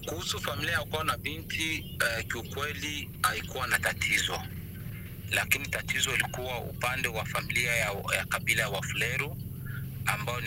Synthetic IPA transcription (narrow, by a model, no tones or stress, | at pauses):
kuhusufamiliajaukaɔnaɓinti | ɛkiukwɛli | aikuwanatatʰizɔ | lakinitatʰizɔilikuwaṵpandɛwafamiliajakaɓilajawaflɛɾu | ambaɔn